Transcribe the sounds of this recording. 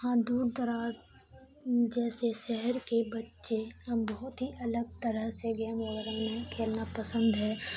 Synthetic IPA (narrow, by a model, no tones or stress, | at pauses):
ɦãd̪uːɾd̪əɾaːz | d͡ʒɛːseʃɛɦəɾkebɐtːʃeɐbɐɦʊt̪ɦiʔɐləɡ̚t̪əɾəɦseɡɛːməɡəɾə̃mẽkʰeːlnapəsə̃nd̪ɦɛː